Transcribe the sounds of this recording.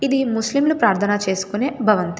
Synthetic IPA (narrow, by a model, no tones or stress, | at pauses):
id̪imuslimlupɾaːɾt̪ʰɐnɐt͡ʃe̞ːsu̥kuneːbʱɐʋɐnt̪